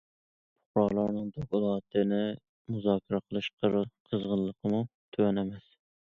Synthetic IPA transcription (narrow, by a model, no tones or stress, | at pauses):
pʰʊ̥χɾɑlˠɑɾnɨŋd̪okulˠɑːt̪ʰɨnɪ | muzɑːkʰʲɪɾɛqʰəlˠɨʃqʰəɾqʰəzʁəllˠːəqʰəmut̪ʰøwɛnɛmɛs